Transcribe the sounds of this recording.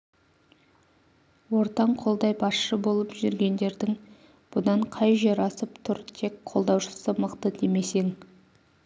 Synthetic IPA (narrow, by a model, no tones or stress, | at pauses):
wo̞ɾt̪ɑɴqʰo̞lˠd̪ɑjbɑsʃəbo̞lˠəpʒʏɾɡʲe̞nd̪e̞ɾd̪ɪŋ | b̥ʊd̪ɑɴqʰɑjʒeɾɑsəpt̪ʰʊɾt̪ʰe̞kqʰːo̞lˠd̪ɑwʃə̥səməqt̪əd̪eme̞se̞ŋ